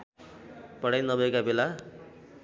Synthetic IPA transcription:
pʌɽajnʌbʱʌekabela

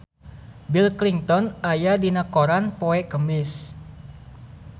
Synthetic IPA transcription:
bilkliŋt̪ɔnajadinakoɾanpoɛkəmɪs

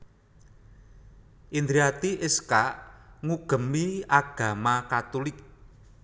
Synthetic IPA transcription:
ʔind̪ɾiat̪iʔɪskaʔŋuɡ̥ə̤miaɡ̥a̤makat̪ulɪk̚

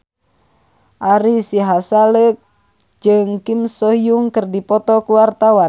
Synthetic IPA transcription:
ʔaɾisiɦasalək̚ | d͡ʒɨŋkimsɔijuŋkɨrdipɔt̪ɔkuwart̪awa

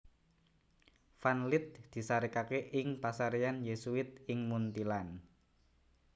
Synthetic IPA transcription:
fanlɪt̪̚d̪̥i̤saɾikakeʔɪŋpasaɾeanjesuɪt̪̚ɪŋmunt̪ilan

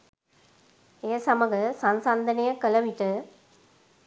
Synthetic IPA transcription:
eːsɐmɐɡəsɐnsand̪ɐnejɐkəlɐʋiʈɨ

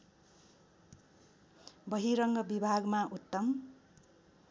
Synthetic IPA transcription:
bʌɦiɾʌŋɡʌbibʱaɡmaʔut̪ːʌm

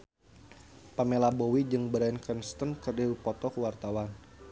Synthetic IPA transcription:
pamelabɔwid͡ʒɨŋbəɾainkənst̪ənkərdawipɔt̪ɔkəwart̪awan

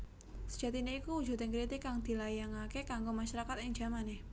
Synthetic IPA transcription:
sə̥d͡ʒ̥a̤t̪ineikuwu̥d͡ʒ̥ṳt̪enkɾit̪ɪkːaŋd̪̥i̤lajaŋakekaŋɡomaʃaɾakat̪ɪŋd͡ʒamane

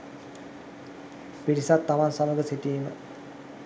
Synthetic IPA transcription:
piɾisat̪ːaʋansaməɡəsiʈiːmə

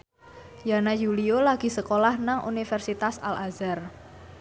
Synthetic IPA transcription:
janajuliolaɡ̥i̤səkolahnaŋʔṵnifɛrsit̪asa̰lʔazar

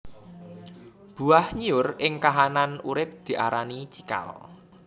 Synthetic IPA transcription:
b̥ṳahɲiʊrɪŋkaɦananuɾɪp̚d̪̥i̤ʔa̰ɾanit͡ʃika̰l

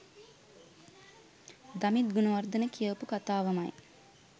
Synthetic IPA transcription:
d̪ɐmit̪̚ɡunuʋɐrd̪ɐnəkijəpukat̪aːʋɐmaj

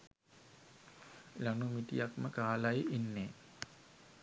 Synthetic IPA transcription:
lanumit̪ḭjakməkaːlajʔinːeː

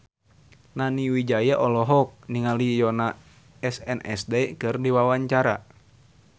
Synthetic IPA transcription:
naniwid͡ʒajaʔɔlɔɦɔk̚niŋalijɔna | ɛsɛnʔɛ̰sdɛikɨrdiwawaɲt͡ʃaɾa

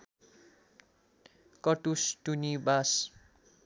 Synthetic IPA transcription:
kʌʈusʈunibas

